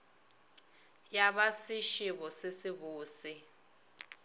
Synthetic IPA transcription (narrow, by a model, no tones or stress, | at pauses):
jaβasiʃiβɔsɪsiβuːsi